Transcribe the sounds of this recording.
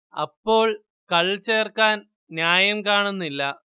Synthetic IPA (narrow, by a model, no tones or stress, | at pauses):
ɐ̰pːo̞ːɭ | kɐɭt͡ɕeːrkːaːn | njaːjɐmkaːɳunːilːɐ